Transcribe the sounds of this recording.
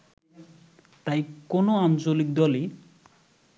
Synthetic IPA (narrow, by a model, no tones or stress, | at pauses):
t̪ajkonoant͡ɕolik̚d̪ɔli